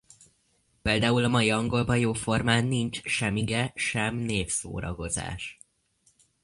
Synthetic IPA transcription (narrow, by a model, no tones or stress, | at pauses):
peːld̪aːulɒmɒjiɒŋɡo̞lbɒjoːfo̞rmaːnːint͡ʃʃɛmiɡɛʃɛmneːfso̰ːɾɒ̰ɡo̞za̰ːʃ